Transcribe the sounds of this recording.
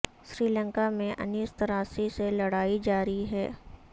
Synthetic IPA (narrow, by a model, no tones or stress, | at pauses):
sɾiːlə̃ŋkamẽʔɐ̰niːst̪ɐɾaːsiselɐɽaːid͡ʒaːɾiɦɛ̰ː